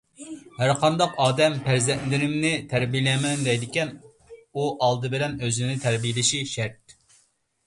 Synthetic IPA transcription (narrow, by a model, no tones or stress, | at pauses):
hæɾqʰɑnd̪ɑqɑːd̪ɛmpʰæɾzɛnd̪ɪɾɪmnɪt̪ʰæɾbijlɛmɛnd̪ɛjd̪ɪkʲɛn | uʔɑlˠd̪ɨbɪlɛnøzɪnɪt̪ʰæɾbijlɪʃiʃæɾt̪̚